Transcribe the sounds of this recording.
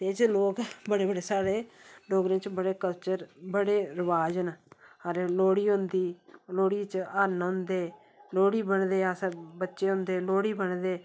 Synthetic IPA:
t̪eːd͡ʒloːkbəɽeːbəɽeːsaːɽeːloːɡɾẽːt͡ʃbəɽeːkəlt͡ʃəɾbəɽeːɾəʋaːd͡ʒnəɾloːɽiːɦʊ̃nd̪iːloːɽiːt͡ʃaːnɦʊ̃nd̪eː | loːɽiːbəɳd̪eːasbətːʃeːɦʊ̃nd̪eːloːɽiːbəɳd̪eː

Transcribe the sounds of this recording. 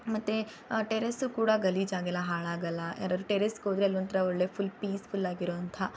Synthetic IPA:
mɐt̪ːe | ʈeɾɐsukuːɽɐɡɐliːd͡ʒaːɡɛlːɐɦaːɭaːɡɐlːɐɛ̰ɾaːd̪ɾuʈeɾeskoːd̪ɾeɐlːont̪ɐɾɐɔɭːeːfʰulpiːspʰulːaːɡiɾoːɐnt̪ʰɐ

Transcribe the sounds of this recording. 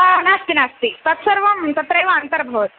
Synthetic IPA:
anast̪inast̪it̪ɐt̪səɾʋɐmt̪ɐt̪ɾɐjʋɐnt̪ɐɾbʱɐʋt̪̚

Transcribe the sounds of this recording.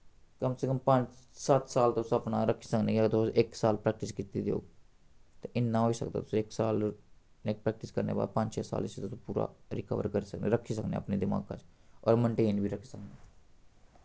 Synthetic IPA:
kəmsekəmpəɲt͡ʃsət̪saːlt̪eʊsəpnaːɾəkʰːisəknẽːkat̪sʔɪksaːlpɾɛːk̚ʈɪskiːt̪iːd̪eo̰ː | t̪eʔɪnːãːɦoːisək̚d̪a̰t̪ʊ̥sẽɪksaːl | neːk̚pɾɛːk̚ʈɪskəɾnḛːba̰ːd̪̚pə̃ɲd͡ʒt͡ʃeːsa̰ːlɪset̪ʊsõpuːɾa̰ːɾɪkə̰ʋə̰ɾkəɾisəknḛːɾəkʰːiːsəknḛːə̰pneːd̪ɪma̰ːɡkã̰t͡ʃɔ̰ːɾməɳʈeːnbʱiːɾəkʰːisəkneː

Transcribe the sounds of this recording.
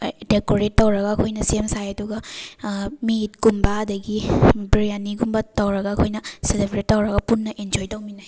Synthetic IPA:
dekoɾetːɐwɾɐɡɐːkʰojnɐsiemsajɐduɡɐ | mit̚ɡ̥umbɐɐdɐɡibiɾijanːiɡumbɐtɐwɾɐɡɐːkʰojnɐselebʰʱɾetːɐwɾɐɡɐpunːɐʔend͡ʒojtɐwminaj

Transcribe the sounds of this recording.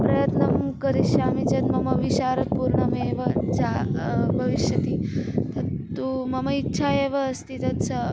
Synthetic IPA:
pɾɐjɐt̪nɐmkɐɾiʃaːmit͡ʃɐnmɐmɐʋiɕaːɾɐt̪̚puːɾɳɐmeːʋɐd͡ʑabʱɐʋiʃjɐt̪it̪ʰɐt̪umɐmɐitːɕʰaeːʋɐːst̪ʰit̪ɐnsɐ

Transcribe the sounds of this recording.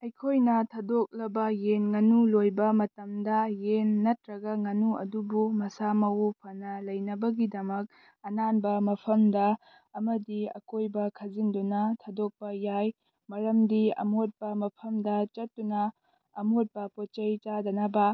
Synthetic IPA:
ɐjkʰojnɐtʰɐdok̚lɐbɐjenŋɐnulojbɐmɐtɐmdɐjenːɐtɾɐɡɐŋɐnuɐ̰dubumɐsamɐwpʰɐnɐlɐjnɐbɐɡidɐmɐk̚ | ɐnanbɐmɐpʰɐmdɐː | mɐdiɐ̰kojbɐkʰɐzindunɐtʰɐdok̚pɐjaj | mɐɾɐmdiɐ̰mot̚pɐmɐpʰɐmdɐt͡ʃɐtːunɐː | mot̚pɐpot͡ʃɐjt͡ʃadɐnɐbɐ

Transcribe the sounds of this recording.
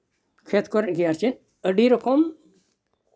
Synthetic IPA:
kʰet̪ʰkoɾnɡiaɾt͡ʃin | əɖiɾokʰom

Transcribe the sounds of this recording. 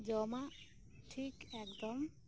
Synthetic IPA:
d͡ʒɔma | ʈʰikɛkd̪ɔm

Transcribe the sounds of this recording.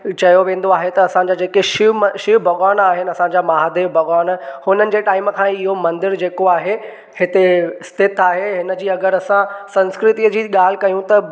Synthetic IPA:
t͡ɕɐjoʋẽːn̆d̪oaːɦet̪ɐːsãɲd͡ʑaːd͡ʑeːkeʃɪʃɪbʱɐɡaːnaːɦɪnɪ̆ɐsãɲd͡ʑaːmaːɦd̪eːʋbʱɐɣaːnhʊnənɪ̆d͡ʑeːʈaːɪmkʰãːɪɦomɐ̃nd̪ɪɾd͡ʑeːkoaːɦe | hɪt̪eɪst̪ʰɪt̪ʰaːɦeɦɪnə̆d͡ʑiːɐɡəɾɐsãsɐ̃nskɾɪt̪iːəd͡ʑiːɠaːl̤ɪ̆kɐjũt̪ɐ

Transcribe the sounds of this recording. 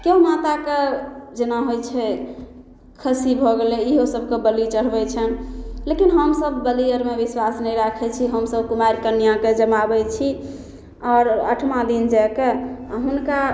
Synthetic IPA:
keɦumat̪aked͡ʒenaɦojt͡ʃʰɛ | kʰəsibʱɔɡeleiɦosəb̚ʱkebəlit͡ʃəɽ̤bɛt͡ʃʰɛnlekinɦəmsəbːəlijəɾmebiswasnəjɾakʰɛt͡ʃʰiɦəmsəbkumajɾkənijãked͡ʒəmabɛt͡ʃʰi | ɔɾə̰ʈʰmãd̪ind͡ʒakeɦunka

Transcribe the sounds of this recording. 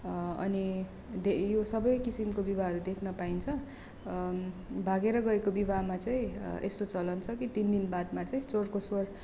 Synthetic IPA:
ʌ̰ni | d̪ejosʌbʌjkisimkobibʱaɦʌɾud̪ekʰnʌpaint͡sʰʌ | bʱaɡeɾʌɡʌekobibʱamat͡saĩest̪ot͡sʌlʌnt͡sʰʌkit̪ind̪inbad̪mat͡saĩt͡sorkoswʌr

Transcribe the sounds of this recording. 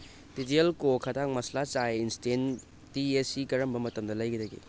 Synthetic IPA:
ditelkokʰɐtak̚mɐslat͡ʃajinsten | tiesikɐɾɐmbɐmɐtɐmdɐlɐjkʰidɐɡḭ

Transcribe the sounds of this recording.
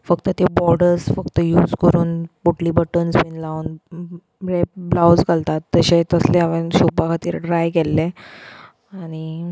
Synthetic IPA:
fəkt̪ət̪ebɔɾɖəɾsfəkt̪əjuːd͡zkəɾuːnpoʈliːbəʈənspenlaun | ɾep̚blawd͡zkəlt̪at̪ːəɕet̪əsleaʋenɕupbakat̪iːɾɖɾajkelːe | aɽ̃i

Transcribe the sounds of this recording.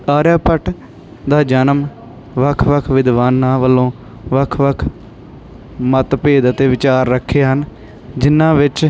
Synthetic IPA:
aːɾjaːpəʈ | d̪aːd͡ʒənəm | ʋəkʰʋəkʰʋɪd̪ʋaːnːãːʋəlːõː | ʋəkʰʋəkʰ | mət̪peːd̪ət̪eːʋɪt͡ʃaːɾːəkʰːeːɦən | d͡ʒɪnːãːʋɪt͡ʃ

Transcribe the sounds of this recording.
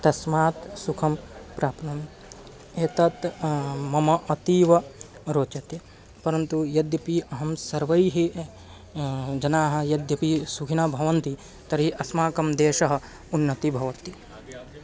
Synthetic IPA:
t̪ɐsmaːt̪sukʰɐmpɾaːpnɐm | eːt̪ɐt̪mɐmɐʔɐt̪iːʋɐ | ɾoːt͡ʃɐt̪jɐ | pɐɾɐnt̪ujɐd̪jɐpiɐɦɐmsɐɾʋɐjɦi | d͡ʒɐnaːɦɐ̆jɐd̪jɐpisukʰinɐbʱɐʋɐnt̪i | t̪ɐɾiʔɐsmaːkɐmd̪eːʃɐɦɐ̆ | unːɐt̪ibʱɐʋɐt̪i

